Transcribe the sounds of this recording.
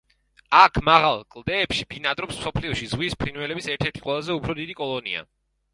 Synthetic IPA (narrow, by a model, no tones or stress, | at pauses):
akʰmaʁalˠkʼlˠd̪ɛːpʃib̥inat̪ʼɾɔpsmsɔpʰliɔʃizʁwispʰɾinwɛlɛbisɛɾt̪ʰɛɾt̪ʰi̥qʼwɛlˠazɛupʰɾɔd̪id̪ikʼɔlˠɔnḭa̰